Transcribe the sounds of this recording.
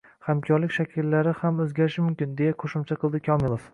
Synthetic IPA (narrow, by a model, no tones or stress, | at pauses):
hamkʲʰɒɾlɪkʲʃakʲʰɪlːaɾɪhamɵzɡʲaɾɪʃɪmʊmkʲɪnd̪e̞jaqʰoʃɪmt͡ʃʰaqɨlˠd̪ɪkʲʰɒmɪlˠof